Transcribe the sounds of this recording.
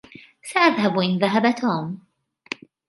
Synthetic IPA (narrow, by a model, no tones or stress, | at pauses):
saʔaðhabʔɪnðaɦabat̪uːm